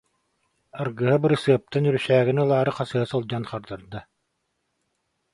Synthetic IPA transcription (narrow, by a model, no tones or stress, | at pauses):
aɾɡɯɦabɯɾɯsɯɐp̚t̪anyɾysæːɡinɯlˠaːɾɯqasɯasɔlˠd͡ʑanχaɾd̪aɾd̪a